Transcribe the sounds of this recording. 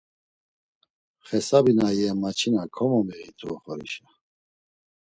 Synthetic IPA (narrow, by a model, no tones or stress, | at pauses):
χɛsabinajɛmat͡ʃʰinakʰɔmɔmɛit̪ʰuɔχɔɾḭʃa